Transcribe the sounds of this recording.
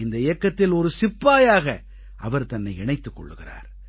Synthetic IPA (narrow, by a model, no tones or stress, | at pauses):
ɪnd̪ɐɪjɐkːɐt̪ːɪlɔɾɯsɪpːaːjaːɣɐ | ʔɐʋɐɾt̪ɐnːɐɪɪɳɐɪt̪ːɯkːɔ̰ɭːɯɣɪra̰ːɾ